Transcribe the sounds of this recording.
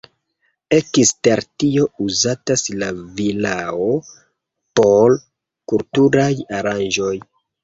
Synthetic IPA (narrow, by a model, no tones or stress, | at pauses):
ekisteɾtio̞uzataslavilao | pol | kultuɾajaɾand͡ʒo̞j